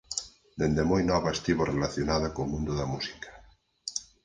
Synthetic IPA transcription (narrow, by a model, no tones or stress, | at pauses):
d̪end̪emojnɔβaest̪iβorelaθjonaðakomũnd̪ʊðamusi̥kḁ